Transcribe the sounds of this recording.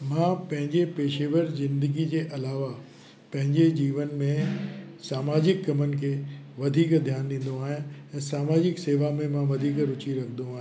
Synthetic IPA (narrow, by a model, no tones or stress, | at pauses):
mãpɐ̃ɦɪ̃ɲd͡ʑepeːʃeːʋəɾzɪ̃nd̪əɡid͡ʑeːʔɐlaːʋa | pɐ̃ɦɪ̃ɲd͡ʑed͡ʑiːʋənmẽsaːmaːd͡ʑɪkːɐmən̆kʰeːʋɐd̪ʱiːkd̪ʱjaːnd̪ĩːn̆d̪oaːɦĩɛ̃ːsaːmaːd͡ʑɪkseːʋamẽmãʋɐd̪ʱiːkɾʊt͡ɕiɾɐkʰə̃d̪õaːɦĩ